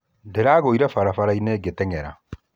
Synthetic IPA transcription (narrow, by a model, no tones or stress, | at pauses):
ndeɾaːɣoiɾɛfaɾafaɾaineːɡetɛŋɛɾa̰